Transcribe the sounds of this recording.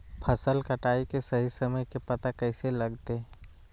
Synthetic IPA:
pʰɐsəlkɐʈaːikesɐɦisɐməjkepɐt̪akɛːselɐɡt̪e

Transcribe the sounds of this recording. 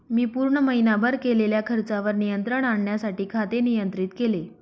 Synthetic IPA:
miːpuːɾɳəməinabəɾkeleljakʰəɾt͡saʋəɾnijənt̪ɾəɳaɳɳjasaʈiːkʰat̪enijənt̪ɾiːt̪kele

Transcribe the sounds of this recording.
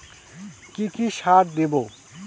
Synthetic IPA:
kikiʃaɾd̪ebo

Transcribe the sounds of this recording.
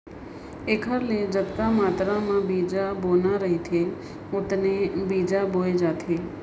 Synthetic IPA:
eːkʰəɾled͡ʒət̪kamaːt̪ɾãmãbiːd͡ʒaboːnaɾɐɦit̪ʰe | ʊt̪nebiːd͡ʒaboːed͡ʒaːt̪ʰeː

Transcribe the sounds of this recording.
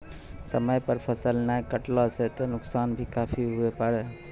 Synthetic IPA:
səməjpəɾpʰəsəlnajkəʈlɔset̪enʊksaːnbʱikaːpʰiɦuepəɽe

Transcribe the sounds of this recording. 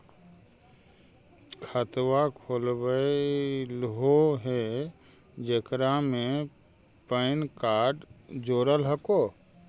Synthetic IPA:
kʰət̪wakʰoːlbəilɦoɦe | d͡ʒəkɾamẽ | pəɪnkaːɾɖd͡ʒoːɾəlɦəkoː

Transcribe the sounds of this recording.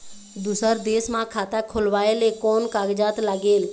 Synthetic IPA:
d̪usəɾd̪eːsmãːkʰaːt̪akʰʊlʋaːeːleːkoːnkaːɡd͡ʒaːt̪ləɡeːl

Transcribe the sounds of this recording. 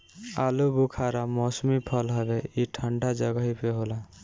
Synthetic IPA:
alubukʰaɾamɔsmipʰɔlɦɔbeiʈʰəɳɖad͡ʒəɡaɦipeɦola

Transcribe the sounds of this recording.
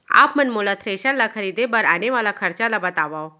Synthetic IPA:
a̰ːpmɐnmoːlat̪ʰɾeːʃalakʰɐɾiːd̪ebɐɾaːneʋaːlakʰɐɾt͡ʃalabɐt̪aːʋaːo

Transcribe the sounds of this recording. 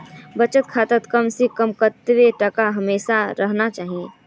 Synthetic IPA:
bɐt͡ʃət̪̚kʰaːt̪ət̪kɐmsekəmkət̪ʋeʈɐkaɦɐmeːʃaɾɐɦnat͡ʃaːɦiẽː

